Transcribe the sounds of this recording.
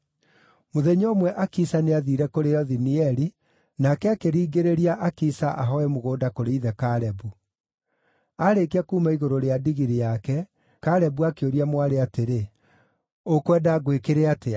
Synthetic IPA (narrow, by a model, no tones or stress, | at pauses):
moðɛɲoːmwɛʔakisaneaðiɾɛkoɾejɔðiniɛɾi | nakɛakeɾiːɡeɾeɾiaʔakisaʔaɦɔɛmoɣoːdakoɾeiðɛkaɾɛbu | aɾekakuːmaiɣoɾoɾeadiɣiɾijakɛ | kaɾɛbuakeoɾiamwaɾeateɾe | okwɛːdaɣwekeɾeate